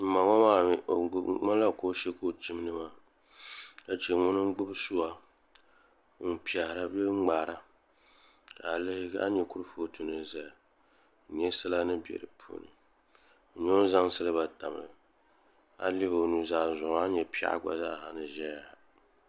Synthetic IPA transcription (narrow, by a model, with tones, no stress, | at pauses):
m̩˨˦ma˨ŋɔ˦maː˦˨˦ŋa˦la˦ko˦ʃɛ˦ko˦˨t͡ʃi˦m˦nɨ˦ma˦ | la˨t͡ʃɛ˨ŋʊ˦nɨ˦ŋ˦ɡ͡bʊ˦bsu˦a˦ | n̩˦pi˨ɛ˨hɾa˦bɛ˦ŋ͡maː˨ɾa˦ | ka˨le˦a̰˦ɲɛ˨ku˦ɾɨ˦foː˦tu˨nɨ˨za˨a˨˦ | ɲɛ˦sɨ˦la˦nɨ˦bi˨ɛ̰˨ɾɨ˨pʰṵː˨˦˨nɨ̰˨ | ɲo˦za˦ŋsɨ˦lɨ˦ba˨ta˨m˨ɾɨ˨ | a̰˦li˦bo˨nu˨zaː˦zʊ˨ŋ˨a˦ɲɛ˨pi˦a̰˦ʔa̰˦ɡ͡ba̰˨zaː˦˨ɦa̰˨nɨ˨ʒɛ˦ja˨